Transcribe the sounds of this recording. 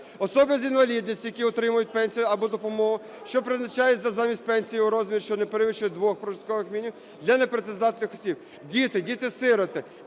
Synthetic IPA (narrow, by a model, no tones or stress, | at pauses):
ɔsɔbʲjzʲinʋɐlʲid̪ʲnʲisʲtʲjɐkʲiɔt̪ɾɪmʊjʊt̚ʲpɛnʲsʲijʊɐbɔd̪ɔpɔmɔɦʊ | ʃt͡ʃɔpɾɪznɐt͡ʃɑjɛtʲzɐzɑmʲisʲt̚ʲpɛnʲsʲijiʊɾɔzʲmʲiɾʲʃt͡ʃɔnepeɾɪʋɪʃt͡ʃʊjɛd̪ʋɔxpɾɔʒɪt̪kɔʋɪxmʲinʲiw | d̪lʲɐnepɾet̪sezɑt̪ɪlʲnɪxɔ̥sʲib̥ | dʲit̪ɪdʲit̪ɪsɪɾɔt̪ɪ